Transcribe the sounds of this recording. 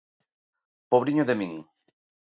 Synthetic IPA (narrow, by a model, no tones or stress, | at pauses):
poβɾiɲoðemĩŋ